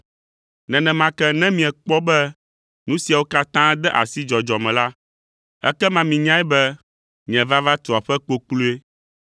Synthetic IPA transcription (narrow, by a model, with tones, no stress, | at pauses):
nɛ̃˨nɛ̃˨mã˨kɛ˦nɛ̃˦mĩ˨ɛ̃˨k͡pɔ˦bɛ˦ | nũ˦si˨a˨wo˦ka˦t̪ã˦d̪ɛ˦ʔa̰˨si˦d͡ʒɔ˨d͡ʒɔ˨mɛ̃˨la˦ | ɛ̰˦kɛ˦mã˨mĩ˨ɲã˦ɛ˦bɛ˦ | mĩ˨ɛ̃˨va˦va˦t̪o˨a˨ɸɛ˦k͡po˦k͡plu˦e˦